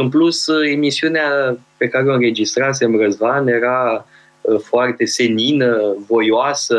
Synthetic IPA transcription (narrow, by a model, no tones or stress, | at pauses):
ɨnpluse̞misiuneape̞kaɾeoɨnre̞d͡ʒist̪ɾas̬e̞ɨmrəzvanje̞ɾa | foart̪e̞se̞ninəvo̞joasə